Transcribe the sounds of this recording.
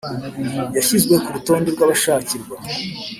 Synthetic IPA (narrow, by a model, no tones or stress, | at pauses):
jaçizɡwe̞kuɾuto̞ːndeɾɡwaβaʃaːciɾɡwa